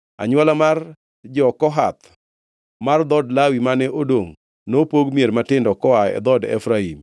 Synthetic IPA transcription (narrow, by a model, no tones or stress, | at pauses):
a̰ɲwalamar | d͡ʒɔkɔɦat̪ | mard̪ɔdlawimanɛʔodoŋ | nopoɡmieɾmatɪndɔkɔaɛ̰d̪ɔdɛ̰fɾaim